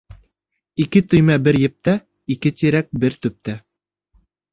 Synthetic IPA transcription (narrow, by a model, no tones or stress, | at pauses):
ikɘt̪ɵ̆jmæbɘɾjɘ̆p̚t̪æ | ikɘt̪iɾæk̚bɘɾt̪ɵ̆p̚t̪æ